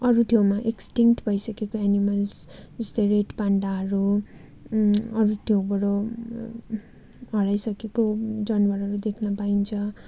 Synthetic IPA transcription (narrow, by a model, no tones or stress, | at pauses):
ʌɾut̪ʰjowmaʔeksʈiŋkʈbʱʌjsʌkekoanimʌlsd͡zʌst̪ʌjreʈpaɳɖaɦʌɾu | ʌɾut̪ʰjowbʌɽo | ɦʌɾajsʌkekod͡zʌnwʌɾɦʌɾud̪ekʰnʌpaint͡sʰʌ